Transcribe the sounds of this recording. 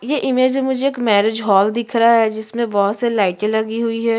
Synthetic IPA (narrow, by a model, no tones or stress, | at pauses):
jeʔɪmeːd͡ʒmʊd͡ʒʱeeːkmɛːɾed͡ʒɦɔːld̪ɪkʰɾaaɦɛd͡ʒɪsmẽbɔɦʊt̪selaːɪʈẽlɐɡiɦʊiɦɛː